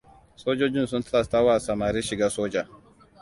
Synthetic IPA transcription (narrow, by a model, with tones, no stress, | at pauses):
soː˦d͡ʒo˦d͡ʒɪ˦n˨s̬u˦nta˦la˨sta˦wa˦˨sa˨maː˨ɾiː˦ʃɪ˨ɡaː˦soː˦d͡ʒa˨